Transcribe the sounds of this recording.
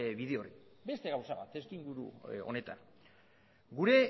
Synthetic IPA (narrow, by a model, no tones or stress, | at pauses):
βiðeoribe̞st̪e̞ɣawsaβa̰t̪e̞skiŋɡuɾṵo̞̰ne̞t̪a̰n | ɡuɾe̞